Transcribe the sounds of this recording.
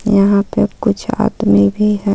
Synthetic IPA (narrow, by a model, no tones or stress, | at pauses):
jɐɦãpekʊt͡ʃʰa̰ːd̪mibʱiɦɛ